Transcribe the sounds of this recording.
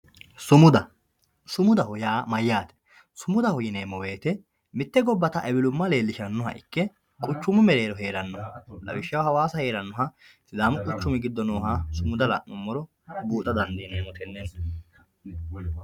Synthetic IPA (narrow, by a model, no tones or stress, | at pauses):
sʊmʊd̪ɐ | sʊmʊd̪ɐhɔjaːmɐjːaːt̪ɛ̥ | sʊmʊd̪ɐhɔjɪneːmːɔwe̞ːt̪ɛ | mɪt̪ːɛɡɔbːɐt̪ɐʔɛbɪlʊmːɐle̞ːlːɪʃɐnːɔɦɐ̰ʔɪ̰kːɛ | kʼʊt͡ʃːʊmɪmɛɾe̞ːɾɔɦe̞ːɾɐnːɔhlɐ̰wɪʃɐwhɐwaːsɐhe̞ːɾɐnːɔɦɐ | sɪlaːmʊkʼʊt͡ʃːʊmɪɡɪd̪ːɔnoːɦasʊmʊd̪ɐlɐ̰ʔʊmːɔɾɔ | buːt̪ʼɐd̪ɐnd̪ineːmːɔt̪ɛnːɛn